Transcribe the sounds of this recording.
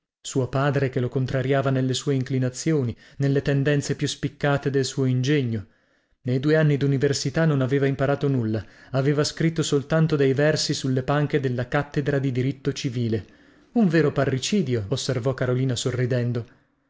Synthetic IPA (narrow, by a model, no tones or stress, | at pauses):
suːopaːd̪ɾek̟elokont̪ɾaɾjaːvanelːesuːeiŋklinat̪sːjoːni | nelːet̪end̪ɛnt̪sepjuspikːaːt̪ed̪elsuːoind͡ʒeɲːo | nejd̪uːeanːid̪universit̪anːonaveːvaimpaɾaːt̪onulːaaveːvaskɾit̪ːosolt̪ant̪od̪ejvɛrsisulːepaŋk̟ed̪elːakat̪ːed̪ɾad̪id̪iɾit̪ːot͡ʃiviːle | uɱveːɾoparːit͡ʃiːd̪joosːervɔkaɾoliːnasorːid̪ɛnd̪o